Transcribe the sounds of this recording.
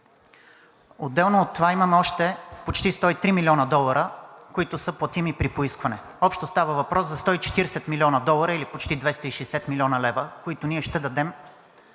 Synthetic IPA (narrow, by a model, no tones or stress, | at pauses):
od̪ːɛlˠnoːt̪ːovaimɐmɛɔʃt̪ɛpot͡ʃt̪ist̪ɔit̪ɾimilʲiɔnəd̪ɔlˠɐɾəkoit̪ʊsəplˠɐt̪imipɾipoiskvɐnɛ | ɔpʃt̪ost̪avəvɐpɾɔszɐst̪ɔit͡ʃɛ̥t̪iɾɛsɛt̪milʲiɔnəd̪ɔlˠəɾəilipot͡ʃt̪id̪vɛst̪əiʃɛsɛt̪milʲɔnəlɛvəkoit̪oʊniɛʃt̪ɛd̪ɐd̪ɛm